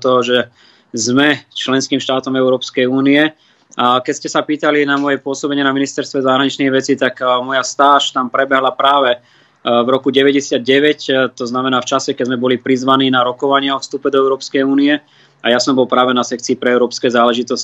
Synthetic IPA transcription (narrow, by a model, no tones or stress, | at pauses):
t̪ɔɦɔʒɛ | zmɛt͡ʃlɛnskiːmʃt̪aːt̪ɔmɛʊɾɔːpskɛjuːniɛ | ʔakɛscɛsapiːt̪alinamɔjɛpʊɔsɔbɛɲɪɛnaminist̪ɛɾst̪ʋɛzaɦɾaɲit͡ʃniɣʋɛt͡sit̪akmɔjast̪aːʃt̪ampɾɛbɛɦlapɾaːʋɛ | vɾɔkuɟɛʋɛɟɛsɪad̪̚ɟɛʋɛct̪ɔznamɛnaːft͡ʃasɛkɛɟzmɛbɔlipɾizʋaniːnaɾɔkɔʋaɲɪaɔfst̪upɛd̪ɔɛʊɾɔːpskɛjuːniɛ | ajasɔmbɔlpɾaːʋɛnasɛk̚t͡siːpɾɛɛʊɾɔːpskɛːzaːlɛʒit̪ɔsc